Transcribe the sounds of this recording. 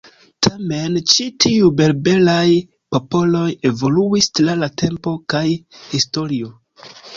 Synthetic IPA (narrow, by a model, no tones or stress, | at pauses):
tʰame̞nt͡ʃitʰiube̞lbe̞laj | po̞po̞lo̞je̞vo̞luistlalate̞mpo̞kajhisto̞ɾio